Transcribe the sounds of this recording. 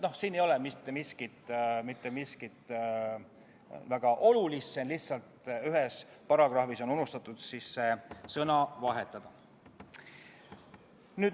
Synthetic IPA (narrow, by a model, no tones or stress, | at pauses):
no̞hsiːne̞jo̞lɛmit̪ːˑemiskit̪ˑmit̪ːˑe̞miskit̪ˑ | væɡ̥ɑʔo̞lulisːenliht̪sɑlt̪yɦes | pɑɾɑɡ̥rɑhfiso̞nunust̪ɑt̪ːˑud̪̥sisːesɤnɑvɑɦe̞t̪ːˑɑd̪̥ɑ | nyːd̪